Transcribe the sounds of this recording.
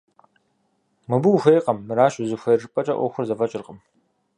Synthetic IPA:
mɨbuwxʷejqɐmːɨɾaːʃʼʊzɨxʷeʐɨpʼɐt͡ʃʼɐʔʷɔ̰xʷʊrzɐfɐt͡ʃʼɪrqəm

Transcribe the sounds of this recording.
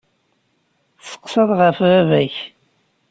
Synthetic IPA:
sə̥qːsɑðˤʁəfævæç

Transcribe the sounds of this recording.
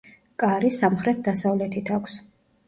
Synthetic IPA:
kʼaɾisamχɾɛt̪̚d̪asavlɛt̪ʰit̪ʰakʷʰs

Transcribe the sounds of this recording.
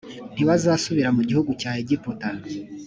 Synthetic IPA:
n̥iβazaːsuβiɾamuɟihuɡucaːheɟipota

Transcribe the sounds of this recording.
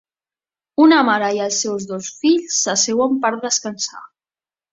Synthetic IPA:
unəmaɾəiəlˠsewzðosfiʎsːəsewəmpaɾd̪əskənsa̰

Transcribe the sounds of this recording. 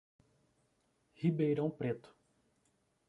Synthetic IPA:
hibejɾɐ̃w̃pɾet̪ʊ̥

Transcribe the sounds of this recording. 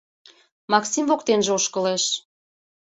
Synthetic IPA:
mɑksimvokt̪enʒeoʃkə̆leʃ

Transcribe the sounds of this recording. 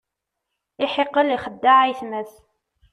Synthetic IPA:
ɪħeqːəliχəd̪ːaʕajθməθ

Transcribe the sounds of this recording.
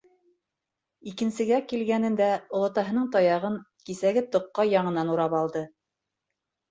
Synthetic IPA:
ikɘ̆nsɘ̆ɡækilɡænɘ̆nd̪æŏlˠɑ̆t̪ɑɦɤ̆nɤɴt̪ɑjɑʁɤɴ | kisæɡɘt̪ŏqːɑjɑɴɤ̆nɑnuɾɑpɑlˠd̪ɤ

